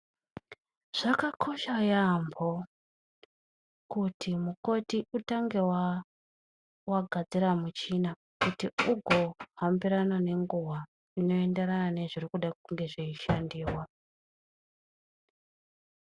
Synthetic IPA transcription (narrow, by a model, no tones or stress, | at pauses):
ʐ̥akakʰo̞ʃajambo | kutʰimuko̞tiutaŋɡe̞wa | waɡʱad͡ziɾamut͡ʃina | kutiuɡʱo̞ɦambiɾanane̞ŋɡuwa | ino̞e̞nde̞ɾanane̞ʐirikuɗakuŋɡe̞ʐiiʃandiːwa